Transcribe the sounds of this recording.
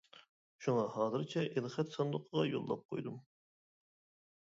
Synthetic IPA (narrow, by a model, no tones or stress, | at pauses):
ʃuŋɑhɑːzɨɾt͡ʃʰɛʔelˠχɛt̪sɑnd̪ʊqʰəʁɑjo̰lˠːɑp̚qʰojd̪um